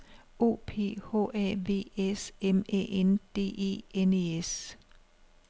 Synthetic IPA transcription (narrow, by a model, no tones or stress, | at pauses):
o̝̰ːpʰe̝̰ːho̝̰ːɛ̰ːʋe̝̰ːesemḛʔend̪̥e̝̰ːe̝̰ːene̝es